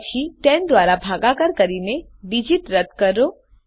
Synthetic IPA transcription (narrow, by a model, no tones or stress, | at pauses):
t͡ʃʰit̪ɛnd̪ʋaɾabʱaɡakəɾkəɾineɖid͡ʒiʈɾəd̪kəɾo